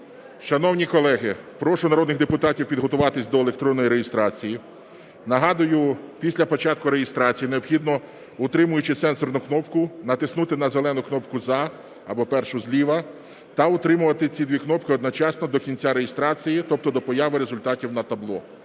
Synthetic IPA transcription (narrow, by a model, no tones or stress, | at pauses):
ʃɐnɔwnʲikɔlˠɛɦɪpɾɔʃʊnɐɾɔd̪nɪɣd̪epʊt̪ɑtʲiwpʲid̪ɦɔt̪ʊʋɑt̪ɪsʲd̪ɔelˠekt̪ɾɔnːɔjiɾejɪst̪ɾɑt͡sʲiji | nɐɦɑd̪ʊjʊpʲisʲlʲɐpɔt͡ʃɑt̪̚kʊɾejɪst̪ɾɑt͡sʲijineɔbxʲid̪nɔ | ʊt̪ɾɪmʊjʊt͡ʃɪsɛnsɔrnʊknɔpkʊnɐt̪ɪsnut̪ɪnɐzelˠɛnʊknɔpkʊzɑ | ɐbɔpɛrʃʊzʲlʲiʋɐ | t̪ɐʊt̪ɾɪmʊʋɐt̪ɪt͡sʲid̪ʋʲiknɔpkɪɔd̪nɔt͡ʃɑsnɔd̪ɔkʲinʲt͡sʲaɾejɪst̪ɾɑt͡sʲijit̪ɔp̚t̪ɔd̪ɔpɔjɑʋɪɾezʊlʲt̪ɑtʲiwnɐt̪ɐblˠɔ̰